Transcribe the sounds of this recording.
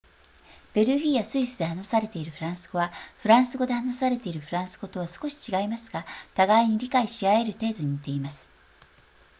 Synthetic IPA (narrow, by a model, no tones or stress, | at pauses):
b̥e̞ɾɯ̟ɡʲiːjasɨisɨd̪ehanosaɾe̞t̪e̞iɾɯ̟ɸɯ̟ɾãɰ̃sɨ̥ɡo̞βaɸɯ̟ɾãɰ̃sɨɡo̞d̪e̞hanasaɾe̞t̪e̞iɾɯ̟ɸɯ̟ɾãɰ̃sɨ̥ɡo̞t̪o̞β̞asɨ̥ko̞ɕi̥t͡ɕiɡaimasɨɡat̪aɡaiɲ̟iɾʲikaiɕiae̞ɾɯ̟t̪e̞ːd̪o̞ɲ̟it̪e̞imasɨ̥